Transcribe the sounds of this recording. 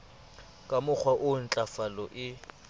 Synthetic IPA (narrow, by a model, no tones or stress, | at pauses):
kʼamʊk͡xʰwaʔʊn̩t͡ɬʼafalɔʔɪ